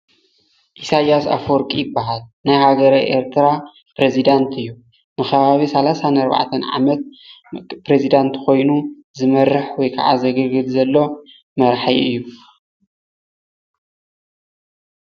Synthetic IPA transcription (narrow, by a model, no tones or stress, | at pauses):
ʔisajasa̰foɾkʼijɪbːaɦalnajhaɡɐɾajʔḛɾt̪ʰɾa | pɾezid̪ant̪ʰɨjːu | nɨxʰɐβaβisɐlasanɐɾba̰ʕt̪ʰɐnʕa̰mɐt̪̚ | pɾezid̪ant̪kʰo̞jnu | zɨmɐɾɨħwɔjkʰaʕa̰zɐɡɐɡɨd̪zɐlːo̞ | mɐɾħajɨjːu